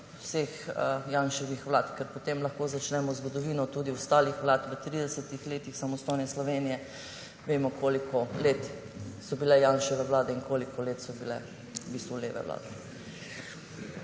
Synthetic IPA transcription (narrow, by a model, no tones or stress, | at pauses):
sexjanʃɔʋixʋlaːt̪kɛɾpɔt̪emlɐxkoːzat͡ʃnɛmɔzɡɔd̪ɔʋiːnɔt̪uːd̪iʊst̪aːlixʋlaːt̪ʋət̪ɾiːd̪ɛsət̪ixleːt̪ixsamɔst̪ɔjnɛslɔʋeːnijɛ | ʋeːmɔkʰoːlikʰɔleːt̪ | sɔbilɛjanʃɔʋɛʋlaːd̪ɛiŋkoːlikɔleːt̪sɔbilɛ̰ | biːst̪ʋulḛːʋɛ̰ʋla̰ːd̪ɛ